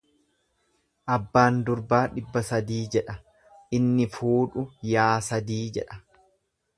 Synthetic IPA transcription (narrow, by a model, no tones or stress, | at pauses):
ʔɐbːaːnd̪ʊɾbaːᶑɪbːɐsɐd̪iːd͡ʒɛᶑɐ | ʔɪnːɪfuːᶑʊjaːsɐd̪iːd͡ʒɛ̰ᶑɐ